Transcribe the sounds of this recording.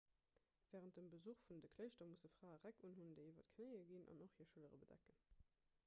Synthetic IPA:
vɛːʁənt̚dəmbəzuχfundəkʰləɪʃtɐmusəfʁ̥aːəʁækunɦundəɪivɐtkʰnəɪəɡinʔɑ̰noχhiːɐʃələʁəbədæ̰kən

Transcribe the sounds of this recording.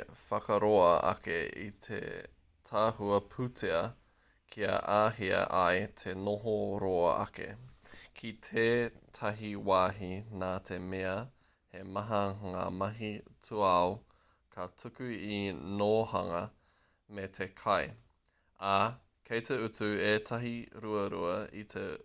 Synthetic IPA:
fɐkɐɾoɐɐ̰kḛḭt̪ʰḛ | tʰaːhuɐpʰʉtʰeɐ | kʰiɐ̰ʔaːɦiɐ̰ʔɐjt̪ʰenoɦoɾoɐ̰ʔɐ̰kḛkʰitʰetʰɐɦiwaːɦinaːt̪ʰemeɐ | hemɐɦɐŋa̰ːmɐɦitʰuao | kʰɐtʰukʉinoːhɐŋɐ | metʰekʰɐj | a | kʰejteʉtʉeːtʰɐɦiɾuɐɾuɐit̪ʰḛ

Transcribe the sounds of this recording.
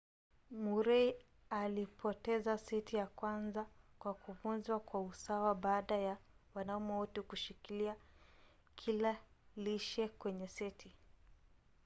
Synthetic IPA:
muɾɛi | alipʰɔtɛzasitʰijakwanzakwakʰuvunzwakwausawaɓaːɗajawanaumɛutukuʃikilia | kʰilaliʃɛkwɛɲɛsitʰi

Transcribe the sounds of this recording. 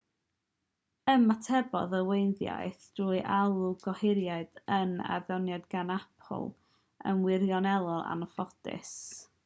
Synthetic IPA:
əmatʰɛbɔ̰ðəwejnðja̰jθd̥ruːɨʔalˠuɡɔhɪɾjaɨd̥əna̰rðɔnjadɡanapʰɔ̰lˠ | ə̰nwɪrjɔnɛlˠɔa̰nəfɔdɪ̰s

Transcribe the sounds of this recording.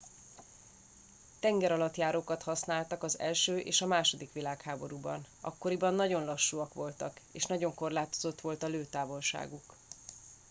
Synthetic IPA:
t̪ɛŋɡɛɾɒlɒt̪jaːɾoːkɒt̪hɒsnaːlt̪ɒkɒzɛ̰lʃøːʔḛːʃɒmaːʃo̞d̪ikʋilaːkhaːbo̞ɾubɒ̰n | ɒ̰kːo̞ɾibɒnːɒɟo̞nlɒʃːuɒkʋo̞lt̪ɒkḛːʃnɒɟo̞ŋko̞rlaːt̪o̞zo̞t̪ʋo̞lt̪ɒløːt̪aːvo̞lʃa̰ːɡuk

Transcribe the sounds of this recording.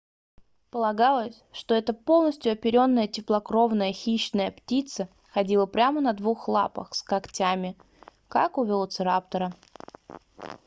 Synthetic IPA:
pəlˠɐɡalˠəsʲʂt̪o̞ɛt̪əpo̞lˠnəsʲt̪ʲjʊɐpʲɪɾʲo̞nːəjətʲɪplˠɐkɾo̞vnəjəxʲiɕːnəjəptʲit̪sə | xɐdʲilˠəpɾʲamənɐd̪vuxlˠa̰pə̰xskɐktʲamʲɪ | kakʊvʲɪlˠt̪sɨɾap̚t̪əɾə

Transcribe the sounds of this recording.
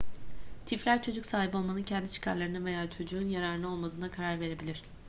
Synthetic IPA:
t̪ʰiflʲæɾt͡ʃʰo̞d͡ʒuksaːɦibpo̞lˠmanɯncʰɛnd̪it͡ʃʰi̥kʰaɾlˠaɾɯnave̞jaːt͡ʃʰo̞d͡ʒuːnjaɾaɾɯnˠɯo̞lˠmad̪ɯːnakʰaɾaɾve̞ɾe̞bilʲiɾ̥

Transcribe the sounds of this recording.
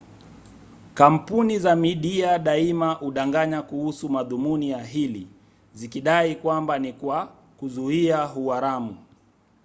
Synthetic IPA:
kam̩punizamiɗiaɗaimaʔuɗaŋɡaɲakuhusumaðumunijaɦili | zikiɗaikwambanikwa | kuzuiaɦuaɾamu

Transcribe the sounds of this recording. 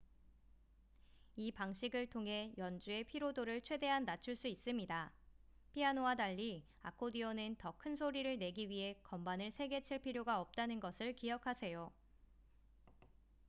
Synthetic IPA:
ipaŋɕʰiɡɯɭtʰoŋɦe̞jʌnd͡ʑue̞pʰiɾodoɾɯɭt͡ɕʰwe̞de̞ɦanːat͡ɕʰuɭs͈uis͈ɯmɲida | pʰianoadaʎːi | a̰kʰodiʌnɯntʌkʰɯnsʰoɾiɾɯɭne̞ɡiɥiɦe̞kʌmbanɯɭsʰe̞ɡe̞t͡ɕʰiɭpʰiɾjoɡaʌp̚t͈anɯnɡʌsʰɯɭkiɦʌkʰasʰe̞jo

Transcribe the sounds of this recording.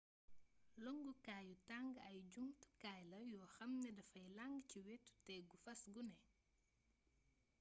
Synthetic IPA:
lɔŋɡukaːjutaŋɡɐjɟuŋtu̥kajlɐjɔːxɐmnɛdɐfɐjlaŋɡciwɛtːtɛɡufɐsɡunɛ

